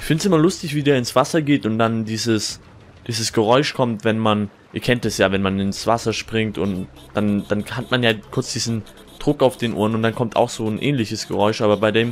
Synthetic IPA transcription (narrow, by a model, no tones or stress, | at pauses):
ʔɪçfɪntsʔɪmɐlʊstɪçv̥iːdeːɐɪnsv̥asɐɡeːtʊnt̚d̥andiːzəs | d̥iːzəsɡ̥əʁɔʏʃkʰɔmtv̥ɛnman | ʔiːɐkʰɛnt̚d̥asjaːvɛnmanɪnsv̥a̰sɐʃpʁ̥ɪŋtʊ̰nt | d̥and̥anhatmanjaːkʰʊɐt͡sd̥iːzn̩ | d̥ʁʊkaʊfd̥eːnʔṵːɐnʊntd̥ankʰɔmtʰa̰ʊxz̥oːnʔɛ̰ːnlɪçəsɡ̥əʁɔʏʃʔaːbɐbaɪdeːm